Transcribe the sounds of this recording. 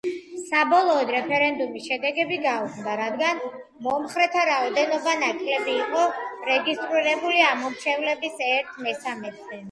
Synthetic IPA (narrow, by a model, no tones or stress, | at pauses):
sabɔlˠɔːd̪ɾɛpʰɛɾɛnd̪umisʃɛd̪ɛɡɛbiɡaukʰmd̪aɾad̪ɡan | mɔmχɾɛt̪ʰaɾaɔd̪ɛnɔbanakʼlɛbiːqʼɔɾɛɡist̪ʼɾiɾɛbuliamɔmt͡ʃʰɛvlɛbisɛɾt̪ʰmɛsamɛt̪zɛ